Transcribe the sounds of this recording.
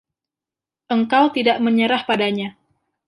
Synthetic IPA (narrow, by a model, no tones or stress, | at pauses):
ʔəŋkawt̪idaʔməɲəɾahpadaɲa